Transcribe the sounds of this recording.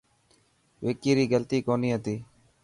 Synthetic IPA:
ʋeːkiːɾiːɡəlt̪iːkoːniːɦət̪iː

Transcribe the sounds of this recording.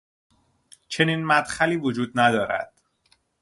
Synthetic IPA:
t͡ʃʰe̞niːnmæd̪̥xæliːvod͡ʒuːd̪̚næd̪ɒːɾæ̰d̪̥

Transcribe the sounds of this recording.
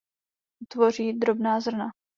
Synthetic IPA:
t̪vo̞r̝iːd̪ɾobnaːzr̩na

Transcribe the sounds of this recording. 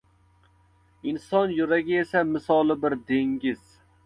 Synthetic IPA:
ɪnsɒnjʊɾɛɡʲiesɛmɪsɒlˠɪbɪɾd̪eŋɡʲɪz̥

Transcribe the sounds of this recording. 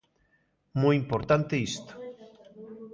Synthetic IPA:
mujimpoɾt̪ant̪eist̪o̥

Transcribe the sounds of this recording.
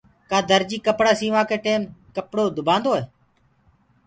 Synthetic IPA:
kaːd̪əɾd͡ʒiːkəpɽaːsiːʋãːkeːʈeːmkəpɽoːd̪ʊbãːnd̪oːɦeː

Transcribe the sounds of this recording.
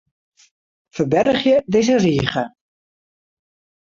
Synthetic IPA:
fəbɛrχjəd̪ejzəriːχə

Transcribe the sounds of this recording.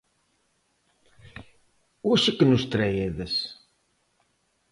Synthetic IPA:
wæʃækːənust̪ɾæjæðæs

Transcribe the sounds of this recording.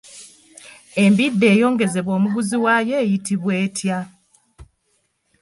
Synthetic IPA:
e̞mbidːe̞ːjo̞ːŋɡe̞ze̞βwo̞ːmuβuziwaje̞ːjitiβwe̞ːtʰja

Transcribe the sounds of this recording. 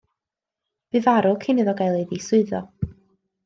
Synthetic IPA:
b̥ɨvaɾʊkʰɪnɨðɔɡajlˠeðisʊɨðɔ

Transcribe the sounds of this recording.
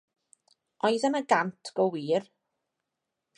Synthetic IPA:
ɔjðənəɡantʰɡ̥ɔwiːr

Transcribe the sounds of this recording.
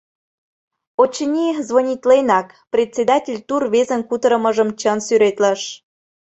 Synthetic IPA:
ot͡ɕənʲizvonʲit̪lenɑk | prʲet͡sʲed̪ɑtʲelʲt̪urβezənkut̪əɾəməʒəmt͡ɕənsyɾet̪ləʃ

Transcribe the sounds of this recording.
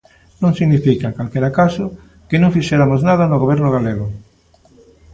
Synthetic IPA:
nõŋsiɣnifikakalkeɾakaso | kenõŋfiʃeɾamoznaðanoɣoβ̞ɛɾnoɣaleɣ̞o

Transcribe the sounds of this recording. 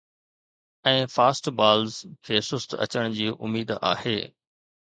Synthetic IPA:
ɛ̃ːfaːsʈbaːlzkʰeːsʊst̪ɐ̰t͡ɕəɽ̃d͡ʑiːʔʊ̰miːd̪a̰ːheː

